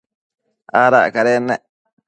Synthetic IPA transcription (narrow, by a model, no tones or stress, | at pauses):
aɾa̰ʔkaɾenɛʔ